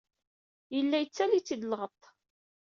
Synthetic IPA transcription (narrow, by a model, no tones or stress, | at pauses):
jəlːæjət͡sːælit͡sːid̪lʁət̪ˤ